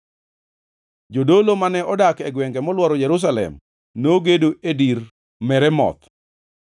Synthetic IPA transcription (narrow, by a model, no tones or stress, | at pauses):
d͡ʒodolomanɛɔdakɛɡwɛŋɡɛmɔlwɔɾɔjɛɾus̬alɛ̰m | noɡedoediɾ | mɛɾɛmɔ̰t̪